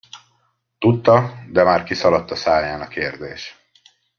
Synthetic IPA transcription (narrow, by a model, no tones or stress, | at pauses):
t̪ut̪ːɒd̪ɛmaːrkisɒlɒt̪ːɒsaːjaːnɒkeːrd̪eːʃ